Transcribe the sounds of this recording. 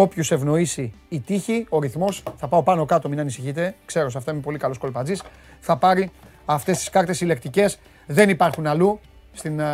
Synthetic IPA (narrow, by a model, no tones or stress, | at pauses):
o̞pçuse̞vno̞isiːt̪içio̞ɾiθmo̞sθɐpɐo̞pɐno̞kɐt̪ominɐnisiçit̪e̞kse̞ɾo̞s̬ɐft̪ɐimepo̞likɐlo̞sko̞lpɐzis | θɐpɐɾi | ɐft̪e̞st̪i̥skɐɾt̪e̞sile̞kt̪ice̞s | ðe̞nipɐɾxunɐlu | st̪in